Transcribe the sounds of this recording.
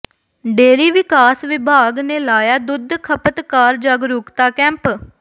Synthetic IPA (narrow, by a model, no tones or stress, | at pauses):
ɖeːɾiːʋɪkaːsʋɪbʱaːɡneːlaːjaːd̪ʊd̪ʱkʰəpət̪kaːɾd͡ʒaɡɾʊːkt̪aːkɛ̃ːmp